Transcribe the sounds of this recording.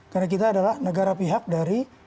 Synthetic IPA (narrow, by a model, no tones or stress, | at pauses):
karnak̬it̪aːdalahnəɡaɾapiɦak̚daɾi